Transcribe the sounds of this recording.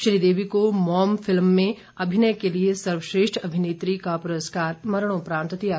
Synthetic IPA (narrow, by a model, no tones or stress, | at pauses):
ʃɾiːd̪eːʋikomɔːmfʰɪlmːẽ | ɐbʱɪnəjkeliesɐɾʋəʃɾeːʃʈʰɐbʱɪneːt̪ɾikapʊɾəskaːɾmɐɾəɽ̃õpɾaːnt̪ət̪ija